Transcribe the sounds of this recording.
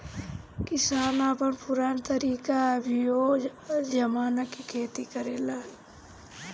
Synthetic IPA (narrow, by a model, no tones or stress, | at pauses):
kɪsaːnaːpənpʊɾaːnt̪əɾiːkabʱijoːd͡ʒɐmaːnakikʰeːt̪ikəɾeːlaː